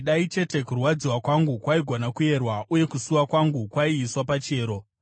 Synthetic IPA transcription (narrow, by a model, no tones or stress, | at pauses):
ɗait͡ʃe̞te̞kurwad͡ziwakwaŋɡukwaiɡʱo̞nakuje̞rwaʔuje̞kusuwakwaŋɡukwaiːswapat͡ʃe̞ːɾo̞